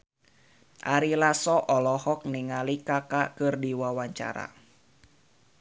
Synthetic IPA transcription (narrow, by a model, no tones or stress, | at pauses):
ʔaɾilasɔʔɔlɔhɔk̚niŋalikakakɨrdiwawaɲt͡ʃa̰ɾa̰